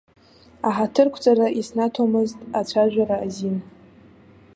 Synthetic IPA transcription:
aħatʰɨrkʷʰt͡sʼaɾaʔisnatʰomɨztʼat͡ɕʷʰaʒᶣʷaɾaːzin

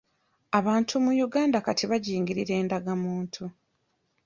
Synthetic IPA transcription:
aβaːntʰumujuɡaːndakatiβaɟiːŋɡiɾiɾe̞ːndaɡamuːntʰu

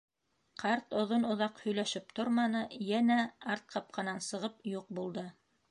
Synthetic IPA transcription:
qʰɑɾt̪ŏðonŏðɑqhɵ̆jlæʃɘp̚t̪oɾmɑnɤjænæɑɾt̪̚qʰɑp̚qʰɑ̆nɑnsɤ̆ʁɤpjuq̚bulˠd̪ɤ

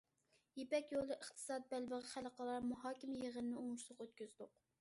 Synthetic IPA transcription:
jepɛkʲjolˠɨʔəχt̪ʰɨ̥sɑd̪̚bælbəʁəχæləqəlˠɑɾmuɦɑːkʲɪmɪjeʁənɨnɪuŋuʃlˠʊqøt̪̚kʲyzd̪ʊq

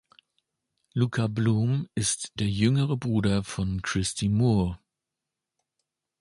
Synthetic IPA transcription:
luːkʰabluːmɪstd̥eːɐjʏŋəʁəbʁuːdɐfɔnkʁ̥ɪstʰimu

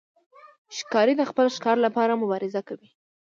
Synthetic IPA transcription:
ʃkɑɾid̪əxpəlʃkɑɾlapɑɾamʊbɑɾɪzakawi

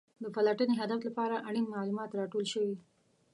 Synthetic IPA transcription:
d̪əpalaʈəneɦad̪aflapɑɾaʔaɽ̃imːɑlumɑt̪ɾɑʈolʃəwi

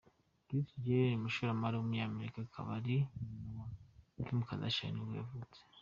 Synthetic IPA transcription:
ɡisid͡ʒenimuʃuɾamaɾiwumuɲaameɾikakʰa̰βaɾinuwakumukaza̰ʃḛniwḛːvut͡se̥

